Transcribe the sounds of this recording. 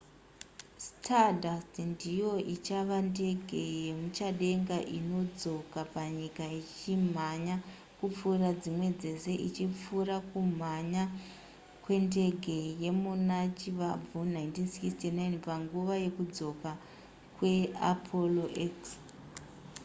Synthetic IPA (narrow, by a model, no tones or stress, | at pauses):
stʰadastndijo̞ʔit͡ʃaʋande̞ɡʱe̞je̞mut͡ʃaɗe̞ŋɡaʔino̞d͡zo̞kapaɲikait͡ʃim̤aɲa | kup͡furad͡zimwe̞d͡ze̞se̞ʔit͡ʃip͡furakum̤aɲa | kwe̞nde̞ɡʱe̞je̞munat͡ʃiʋab͡vunajintinsikstinajnpaŋɡuʋaje̞kud͡zo̞ka | kwe̞apʰo̞lo̞ʔeks